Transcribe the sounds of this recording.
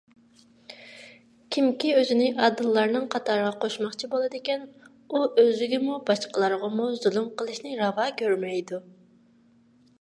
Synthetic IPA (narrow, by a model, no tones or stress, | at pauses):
kʲʰimkʲiøzɪnɪʔɑd̪ɨlˠːɑɾnɨŋqʰɑt̪ʰɑɾʁɑqʰoʃmɑχt͡ʃʰibolˠɨd̪ɪkʲɛn | uʔøzɪɡʲɪmubɑʃqəlˠɑɾʁɑmuzulˠumqʰəlˠɨʃnɨɾɑvɑːkʲʰøɾmɛjd̪u